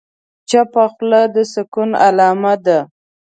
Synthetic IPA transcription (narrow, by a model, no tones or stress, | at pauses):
t͡ʃapaxlad̪əsɪkuna̰lɑmad̪a